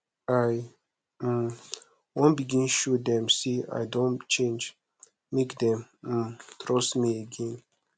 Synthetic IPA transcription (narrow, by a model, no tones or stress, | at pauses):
aj̩ | wɔ̃nbiɡĩnʃud̪ɛ̃msia̰jdõnt͡ʃẽnd͡ʒ | mekd̪ɛ̃m̩ | t̪ʰɾɔsmiəɡɛ̃n